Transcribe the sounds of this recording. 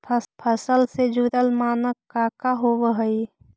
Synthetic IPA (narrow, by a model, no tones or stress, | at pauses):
pʰpʰəsəlsed͡ʒud̪əlmaːnəkkːaːkaɦoʋəɦəi